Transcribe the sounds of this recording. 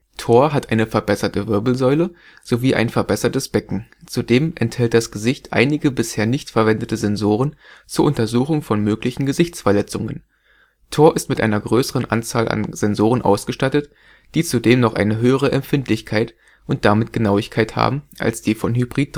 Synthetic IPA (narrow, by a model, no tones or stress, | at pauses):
tʰoːɐɦatʔaɪnəfɛɐbɛsɐtəvɪɐbl̩zɔʏlə | z̥oviːʔa̰ɪnfɛɐbɛsɐtəsb̥ɛkŋ̩t͡sudeːmʔɛnthɛlt̚d̥asɡ̥əzɪçtʔa̰ɪnɪɡəbɪsheːɐnɪçtfɛɐvɛndətəzɛnzoːʁ̞ənt͡suːɐʔʊntɐzuːxʊŋfɔnmøːklɪçn̩ɡəzɪçt͡sfɛɐlɛt͡sʊŋə̰n | tʰoːɐʔɪstmɪtʔa̰ɪnɐɡʁøːsəʁənʔa̰nt͡saːlʔa̰nz̥ɛnzoːʁ̞ənʔa̰ʊsɡ̥əʃtatət | d̥iːt͡sudeːmnɔχʔa̰ɪnəɦøːəʁ̞əʔɛmfɪntlɪçkʰaɪt | ʔʊnt̚d̥amɪt̚ɡ̥ənaʊɪçkʰaɪtha̰ːbm̩ʔa̰lsd̥iːfɔnɦybʁiːt̚